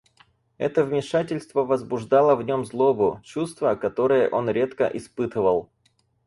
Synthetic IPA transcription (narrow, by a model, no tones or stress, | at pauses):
ɛ̰t̪əvmʲɪʂatʲɪlʲst̪vəvəzbʊʐd̪ɑlˠəvnʲo̞mzlˠo̞bʊt͡ɕust̪vəkɐt̪o̞ɾɨjə̰ʔo̞nɾʲe̞t̪kə̰ʔɪspɨt̪ɨvəlˠ